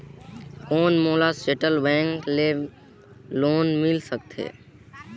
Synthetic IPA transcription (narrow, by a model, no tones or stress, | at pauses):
koːnmoːlaseʈəlbɛ̃ːŋkle | loːnmɪlsək̚t̪ʰḛː